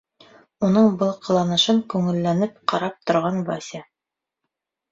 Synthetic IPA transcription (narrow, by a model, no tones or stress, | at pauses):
unɤɴbɤlˠqʰɤ̆lˠɑnɤ̆ʃɤŋkʉŋɘ̆lːænɘp̚qɑɾɑp̚t̪ŏɾʁɑnvɑsʲa